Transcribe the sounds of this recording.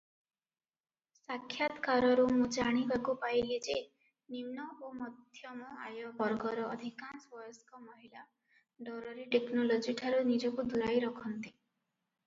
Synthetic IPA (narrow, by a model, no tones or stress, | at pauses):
sakʰːjat̪kaɾɔɾumũd͡ʒaɽ̃ibakupajlid͡ʒe | nimnɔomɔd̪ʱjɔmɔa̰jɔbɔɾɡɔɾɔːd̪ʱikansbɔjɔskɔmɔɦila | ɖɔɾɔɾiʈeknolod͡ʒiʈʰaɾunid͡ʒɔkud̪ʱuɾajɾɔkʰɔnt̪i̥